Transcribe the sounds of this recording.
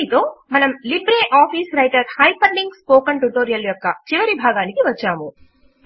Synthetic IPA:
it̪o̞ːmɐnɐmlibɾeːʔaːpiːsɾɐjʈɐɾhɐjpʰɐɳɖiŋɡspoːkɐɳʈuʈoːɾijɐljɔkːɐ̰t͡ʃiʋɐɾibʱaːɡaːnikiʋɐt͡ʃːaːmu

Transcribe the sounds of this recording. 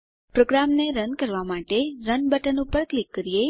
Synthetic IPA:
pɾoɡɾamneɾənkəɾʋamaʈeɾənbəʈənupəɾklikːəɾije

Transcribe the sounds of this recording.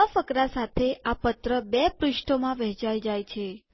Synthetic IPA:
əfəkɾasat̪ʰeapət̪ɾəbɛpɾʊʃʈʰomãʋəɦt͡ʃajd͡ʒajt͡ʃʰe

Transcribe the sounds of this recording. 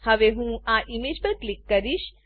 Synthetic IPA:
həʋeɦũaʔimed͡ʒpəɾklikːəɾiʃ

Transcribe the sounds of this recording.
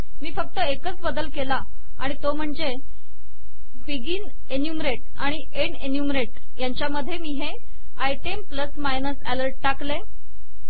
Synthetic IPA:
miːfək̚t̪əekət͡sbəd̪əlkela | aɽ̃it̪om̤əɳd͡ze | biɡiːn | enjumɾeʈ̚ | aɽ̃i | eɳenjumɾeʈ | jaɲt͡ɕjaməd̪ʱːjemiːɦe | ajʈempləsmajnəsæləɾʈ̚ʈakle

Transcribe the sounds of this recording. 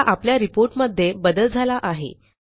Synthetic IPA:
ʔapljaɾipoɾʈməd̪ʱːjebəd̪əld͡zʱalaʔaɦḛ

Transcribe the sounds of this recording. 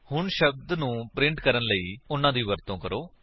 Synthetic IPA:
hʊɳʃəb̚d̪nũːpɾɪ̃ɳʈkəɾənləiːʊnːãːd̪iːʋəɾt̪õːkəɾoː

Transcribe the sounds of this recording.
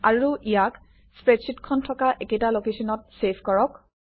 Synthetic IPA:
aɹuʔijak | spɹetsitkʰɔntʰɔkaʔekejtalokesɔnɔt̚sepʰkɔɹɔk

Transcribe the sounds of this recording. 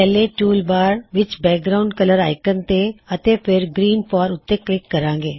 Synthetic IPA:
pɛːleʈuːlbaːɾʋɪt͡ʃbɛːk̚ɡɾaʊɳɖkələɾaːɪkənt̪eət̪epʰɪɾɡɾiːnpaːɾʊt̪ːeklɪkːɐɾãːɡeː

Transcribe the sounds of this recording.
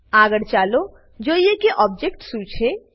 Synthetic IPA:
aːɡəɽt͡ʃaːlo | d͡ʒoːjekeʔɔːb̚d͡ʒekʈsuːt͡ʃʰe

